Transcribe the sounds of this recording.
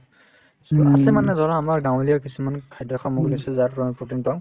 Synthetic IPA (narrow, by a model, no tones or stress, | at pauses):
sɔasɛmanɛzɔlaːmaɹɡãwolijakisumankʰajdaxʰɔmɔɡlisɛzaɹɔputintɔŋ